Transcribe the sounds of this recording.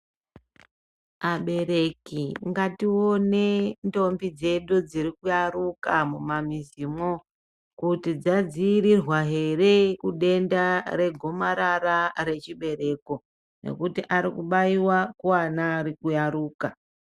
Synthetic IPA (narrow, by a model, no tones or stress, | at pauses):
aɓe̞ɾe̞kiŋɡatione̞ndo̞mbid͡ze̞ɗud͡ziɾikujaɾukamumamiziːmo | kutid͡zad͡ziːɾirwaɦe̞re̞kuɗe̞ndaɾe̞ɡʱo̞maɾaɾare̞t͡ʃiɓe̞ɾe̞ko̞ | ne̞̰kutiʔaɾikuɓaiwakuanaːɾikujaɾuːka